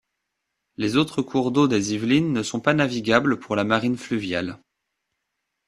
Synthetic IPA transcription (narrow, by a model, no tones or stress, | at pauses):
lezot̪χəkʰuʁd̪od̪ezivlinːəsɔ̃panaviɡʲabləpuʁlamaʁinflyvjal